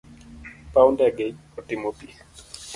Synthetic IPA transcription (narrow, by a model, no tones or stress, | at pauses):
pawndɛɡeɲɔtɪmopi